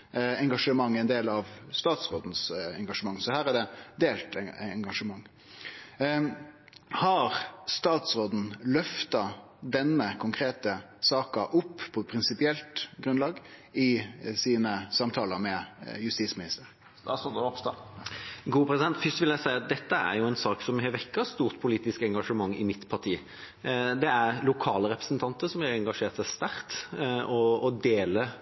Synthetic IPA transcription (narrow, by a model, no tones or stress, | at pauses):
ɛŋɡɑʂəmɑŋːɪnd̪eːlɑʋst̪ɑːt̪sʁoːd̪n̩sɛ̰ŋɡɑʂəmɑŋːsɔhæːʁæd̪ɛd̪eːlt̪ɛŋɡɑʂəmɑŋː | hɑʁst̪ɑːt̪sʁoːd̪n̩lœft̪ɑ | d̪ɛnːəkʰʊŋkʰɾeːt̪əsɑːkɑʔʊpːpʰɔpʰɾɪnsɪpɪɛlt̪ɡʁʉnlɑːɡɪsiːnəsɑmt̪ʰɑːləɾmɛjʉst̪iːsmɪnɪst̪əɾ | d̪sɔɔpst̪ɑ̰ | ɡuːpʰɾɛsɪd̪ɛnt̪fʏst̪ʋɪljæɪsæɪɑt̪̚d̪ɛt̪ːəæ̰ɾjʊɛɪnsɑːksɔmhɛʋɛkːɑst̪uːʁt̪pʰʊliːt̪ɪskɛŋɡɑʂəmɑŋːɪ̰mɪt̪pʰɑʁʈ̪ʰiː | d̪ɛæɾlʊkʰɑːləɾɛpɾəsnt̪ʰɑnt̪əɾsɔmæɾɛŋɡɑʂeːɾt̪sæɪst̪æɾt̪ɔːd̪eːlə